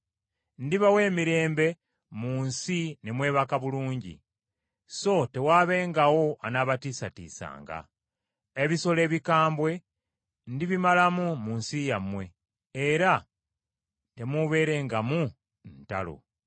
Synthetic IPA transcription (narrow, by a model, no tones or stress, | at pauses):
ndiβawe̞ːmiɾe̞ːmbe̞ | muːnsine̞mwe̞ːβakaβuluːɲɟḭ | so̞te̞waːβe̞ːŋɡawo̞anaβatiːsatḭːsa̰ːŋɡa̰ | eβiso̞le̞ːβikaːmbwe̞ | ndiβimalamumuːnsijamwe̞ | eɾa | te̞muβe̞ːɾe̞ːŋɡamu | nta̰lo̞̰